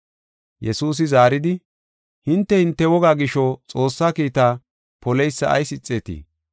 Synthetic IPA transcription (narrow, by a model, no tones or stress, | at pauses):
jɛsuːs̬ɪzaːɾɪd̪ɪ | hɪnt̪ːɛhɪnt̪ːɛwɔɡaːɡɪʃɔt͡sʼo̞ːsːaːkiːt̪aː | pɔlɛjsːɐ̰ːjsɪt͡sʼːeːt̪ḭː